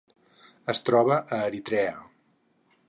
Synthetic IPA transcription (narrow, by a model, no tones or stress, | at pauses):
əst̪ɾɔβəʔəːɾit̪ɾɛə